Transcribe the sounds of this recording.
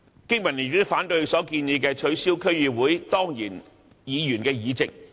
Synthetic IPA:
kɪ˥ŋmɐ˨˩ni˨˩tːfaː˨˥nt̪ɵ˧ɥsɔː˨˥kiː˧njiː˨˧kɛː˧t͡ʃʰɵ˨˥ɥsiː˥wkʰɵ˥ɥːyː˨˧wuː˨˥jt̪ɔː˥ŋjiː˨˩n | jiː˨˧jyː˨˩nkɛː˧jiː˨˧t͡sɪ˨k̚

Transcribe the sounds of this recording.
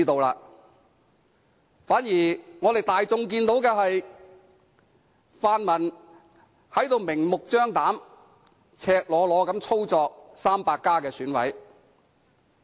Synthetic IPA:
t̪o˨wla̰ː˧ | faː˨˥njiː˨˩ŋɔː˨˧t̪e˨jt̪aː˨jt͡sʊ˨˧ŋk̬iː˧nt̪o˨˥wkɛː˧ɦɐ˨j | faː˨nmɐ˨˩n | hɐ˨˥jt̪o˧wmɪ˨˩ŋmʊ˨k̚t͡ʃœː˥ŋt̪aː˨˥m | t͡sʰɛː˧k̚lɔː˨˧lɔː˨˧kɐ˨˥mt͡sʰo˥wt͡sɔː˧k̚saː˥mpaː˧kːaː˥kɛː˧syː˨˥nwɐ̰˨˥j

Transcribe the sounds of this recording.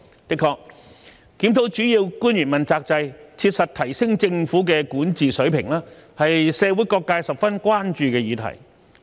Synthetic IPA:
t̪ɪ˥kʰɔː˧k̚ː | i˨˥mt̪ʰo˨˥wt͡ʃyː˨˥jiː˧wkuː˥nɥyː˨˩nmɐ˨nt͡saː˧k̚t͡sɐ˧jt͡sʰiː˧t̚sɐ˨t̚t̪ʰɐ˨˩jsɪ˥ŋt͡sɪ˧ŋfuː˨˥kɛ˧kuː˨˥nt͡siː˨sɵ˨˥ɥpʰɪ˨˩ŋlaː˥hɐ˨jsɛː˨˧wuː˨˥jkɔː˧kːaː˧jsɐ˨p̚fɐ˥nkʷwaː˥nt͡ʃyː˨˧kɛː˧jiː˨˧t̪ʰɐ̰˨˩j

